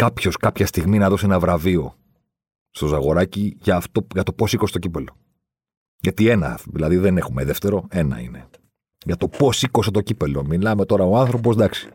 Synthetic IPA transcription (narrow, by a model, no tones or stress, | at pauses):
kɐpço̞skɐpçɐst̪iɣminɐðo̞seenɐvɾɐvio̞ | st̪ozɐɣo̞ɾɐciʝɐːft̪o̞ʝɐt̪o̞po̞sikost̪ocipelo̞ | ʝɐt̪ie̞nɐ̰ðilɐðiðe̞nexume̞ðeft̪e̞ɾo̞e̞nɐ̰ḭne̞ | ʝɐt̪o̞po̞siko̞set̪o̞cipe̞lo̞milɐme̞t̪o̞ɾɐoɐnθɾo̞p̬o̞zd̪ɐksi̥